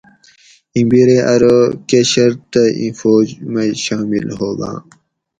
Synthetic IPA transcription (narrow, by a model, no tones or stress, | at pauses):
ĩbiɾeʔɐɾokeɕɐɾt̪ɐḭ̃foːd͡ʑmeɕaːmḭlhoːɡã̰ː